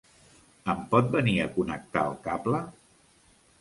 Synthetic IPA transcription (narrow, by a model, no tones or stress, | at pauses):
əmpɔt̪̚bəniəkunək̚t̪aəlˠkaplə